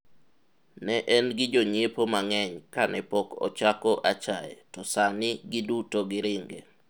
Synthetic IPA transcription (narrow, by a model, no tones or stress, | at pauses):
nɛʔɛnɡɪd͡ʒoɲepomaŋɛɲkanʔɛpokɔ̰t͡ʃakɔʔat͡ʃaḛtɔsanɪɡɪdutoɡɪɾɪŋɡe